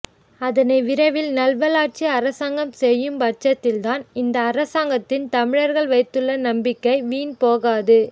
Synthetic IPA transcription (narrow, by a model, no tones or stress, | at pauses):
ɐðɐnɐɪʋɪɾɐʋɪlnɐlʋɐlaːʈ̚t͡ʃiɐɾɐsaːŋɡɐmsɛjːɯmbɐʈ̚t͡ʃɐt̪ːɪlt̪aːnɪnd̪ɐːrɐsaːŋɡɐt̪ːɪnt̪ɐmɪɻɐɾɣɐɭʋɐɪt̪ːɯɭːɐnɐmbɪkːɐɪʋiːnpoːɣaːðɯ